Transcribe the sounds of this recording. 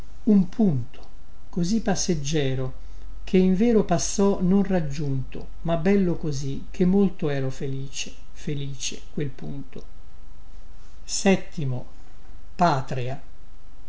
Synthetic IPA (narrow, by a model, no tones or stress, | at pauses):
umpʰunt̪ʰo̥ | kozipːasːed͡ʒːɛːɾo | k̟ʰeiɱvɛːɾopasːɔnonrad͡ʒːunt̪o̰ | mabɛlːokozi | k̟ʰːemːolt̪oɛːɾofeliːt͡ʃe̥ | feliːt͡ʃḛkwelpunt̪o | sɛt̪ːimo | paːt̪ɾea